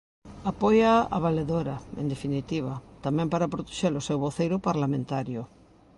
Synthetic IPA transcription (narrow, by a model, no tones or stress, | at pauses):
apɔjaa̰βaleðoɾaḛnd̪efinit̪iβ̞at̪amɛ̃mpaɾapɾot̪e̥ʃeɾosewβoθejɾʊpaɾlamẽnt̪aɾjʊ